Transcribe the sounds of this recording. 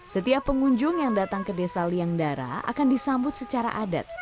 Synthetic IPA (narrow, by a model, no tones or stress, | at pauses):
sət̪iapːəŋuɲd͡ʒʊŋjaŋdat̪aŋkədesaliaŋdaɾa̰a̰kandisambʊt̪̚sət͡ʃaɾa̰ʔada̰t̪̚